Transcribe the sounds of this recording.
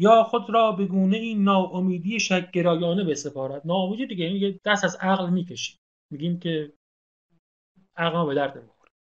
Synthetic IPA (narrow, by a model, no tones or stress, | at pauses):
jɒːxo̞d̪ɾɒːbe̞ɡuːneiːnːɒːʔomiːd̪iːjeʃæk̚ːe̞ɾɒːjɒːne̞bese̞fɒːɾæd̪̥nɒːomiːd̪id̪iɡʲeiniɡʲed̪̥æst̪æzæɣlmiːkʰeʃi̥ | miːɡʲiːmkʰe | æɣlɒːbe̞d̪æɾd̪nemixoɾ̥